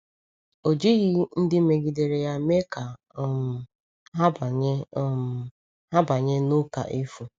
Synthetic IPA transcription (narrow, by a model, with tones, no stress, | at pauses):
o˨d͡ʒi˦ɣi˦n̩˦dɪ˦me˨ɡi˨de˨ɾe˨ja˦me˦ka˨˦ | m˨ | ɦa˦˨˦ | ha˦ba˨ɲe˦nʊ˦ka̰˨ʔe˦fu˨